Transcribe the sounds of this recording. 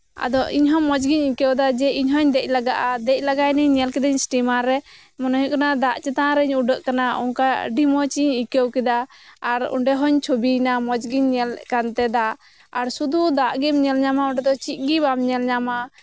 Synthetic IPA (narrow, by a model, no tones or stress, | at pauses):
a̰d̪ɔʔiɲɦɔmɔd͡ʒɡiɲikɛwd̪ad͡ʒɛiɲɦɔɲd̪ɛc̚ˀlaɡaʔad̪ɛc̚ˀlaɡajnɛɲɲɛlkɛd̪aɲsʈimaɾɛ | mɔnɔɦuʔkanad̪aʔt͡ʃɛt̪aɾɛɲuɖəʔkanaɔ̰ŋkaɖimɔt͡ʃiɲikɛwkɛd̪aːɾṵɳɖɛɦɔɲt͡ʃʰobinamɔd͡ʒɡiɲːɛlkant̪ɛd̪aʔː | ɾsud̪ud̪aʔɡimɲɛlɲamaɔɳɖɛd̪ɔt͡ʃit̪̚ˀɡibamɲɛlɲama